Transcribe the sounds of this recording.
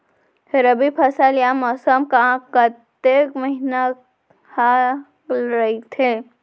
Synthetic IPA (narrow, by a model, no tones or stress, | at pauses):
ɾəbipʰɐsəljamɔsəmkãkɐt̪ekməɦina | ha | ɾɐit̪ʰe